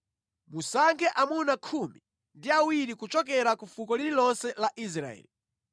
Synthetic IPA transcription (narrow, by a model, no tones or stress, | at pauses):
musaŋɡɛʔamunakʰumi | ndiawiɾikut͡ʃɔk̬ɛɾakufukɔliɾilɔnsɛlaʔis̬ɾa̰ɛ̰ːli